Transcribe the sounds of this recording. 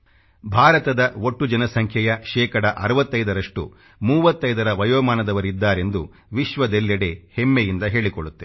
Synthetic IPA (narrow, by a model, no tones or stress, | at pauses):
bʱaːɾɐt̪ɐd̪ɐo̞ʈːud͡ʒɐnɐsɐŋkʰjɐjɐʃɛːkɐɽɐʔɐɾɐʋɐt̪ːɐjd̪ɐɾɐʂʈṵ | muːʋɐt̪ːɐjd̪ɐɾɐʋɐjoːmaːnɐd̪ɐʋɐɾid̪ːaːɾe̞nd̪u | ʋiʃʋɐd̪eljɐɽe̞hemːejind̪ɐɦe̞ːɭikoɭut̪ːe